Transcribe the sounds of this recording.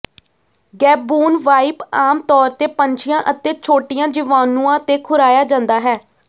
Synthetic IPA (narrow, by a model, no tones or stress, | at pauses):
ɡɛːbuːnʋaːipaːmt̪ɔːɾt̪eːpəɲt͡ʃɪjãːʔət̪eːt͡ʃʰoːʈɪjãːd͡ʒɪʋaːnũːãːt̪eːkʰʊɾaːjaːd͡ʒãːnd̪aːɦɛː